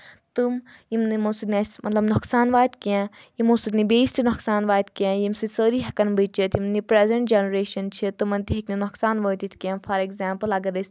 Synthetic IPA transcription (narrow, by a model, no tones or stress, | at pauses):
t̪ɨmjimnimosut̪nʲiasmɐt̪lɐbnuksaːnʋaːt̪kiã | jimosɨd̪nibeːstinuksaːnʋaːt̪kiãːjimsɨsəːɾiːɦɐkɐnbɨt͡ʃɐt̪ʰjimnipɾezɐɳʈd͡ʒenɐɾeːʃɐnt͡ʃʰit̪ɨmɐnt̪iɦikninɔksaːnʋəːt̪it̪ʰkiãːfʰɐɾekzaːmpəlɐɡɐd̪ɐsʲ